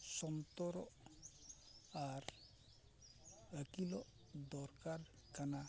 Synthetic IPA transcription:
sɔnt̪ɔɾɔ | aɾ | əkilɔ | d̪ɔɾkaɾ | kana

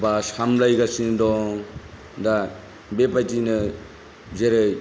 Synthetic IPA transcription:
bashamlajɡasindɔŋ | d̪a | bepatinɯ | zeɾɯj

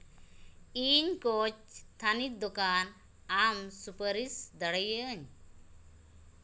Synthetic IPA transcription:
iɲkot͡ʃt̪ʰanit̪̚d̪ɔkan | amsupəɾisd̪əɽəjəɲ

